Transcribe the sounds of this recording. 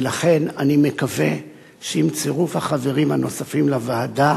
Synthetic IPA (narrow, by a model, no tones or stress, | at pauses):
laχe̞nanime̞kave̞ | ʃeimt͡seʁufhaχave̞ʁimhano̞safimlavaːda